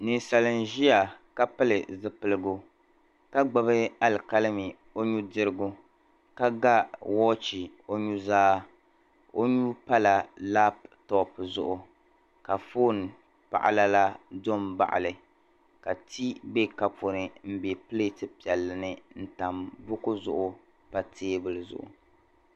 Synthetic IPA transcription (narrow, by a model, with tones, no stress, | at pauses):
nɨ˨sa˨lɨ˨nʒi˦a˨ka˦pɨ˦lɨ˨zɨ˦pɨ˨lɨ˦ɡʊ˦ | ka˦ɡ͡ba˨βɨ˦a˦lka˦lɨ˦mi˨ | o˦ɲu˦dɨ˦ɾɨ˦ɡʊ˦ | ka˦ɡa˦wɔː˦t͡ʃi˨ | o˦ɲu˦zaː˦ | o˦ɲu˦pa˦la˨la˦ptɔ˦˨pzʊ˦ʔʊ˨ | ka˨fo˦n˨ | pa̰˨ʔa̰˦la˦la˦do˦mba̰˨ʔa̰˨lɨ˨ | ka˨ti˦be˦ka˨po˨nɨ˨m̩˦be˨ple˦tɨ˦pi˨ɛ˨lːɨ˨nɨ˦n̩˦ta˨mbʊ˦kʊ˦zʊ̰˨ʔʊ˦ | pa˨tʰeː˦bɨ˦lɨ˨zʊ̰˨ʔʊ̰˨